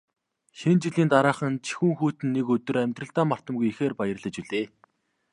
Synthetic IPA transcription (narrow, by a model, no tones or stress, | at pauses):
ʃint͡ɕiɮiːnt̪aɾaːχə̆nt͡ɕʰi̥xuːŋxuːt̪ɘ̆nːekɵt̪ɵ̆ɾæmʲt̪rə̆ɬt̪aːmar̥t̪ə̆mɣujixeːrpajə̆rɮə̆t͡ɕuɮeː